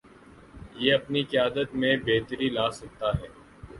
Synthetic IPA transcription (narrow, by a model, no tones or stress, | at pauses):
jeːɐpnikɪjaːd̪ət̪mẽbeːt̪əɾilaːsɐk̚t̪aɦɛː